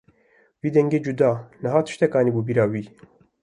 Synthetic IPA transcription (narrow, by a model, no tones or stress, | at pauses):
wiːd̪ɛŋɡeːd͡ʒud̪ɑːnɨɦɑːt̪ʰɨ̥ʃt̪ɛkɑːniːbuːbiːɾɑːwiː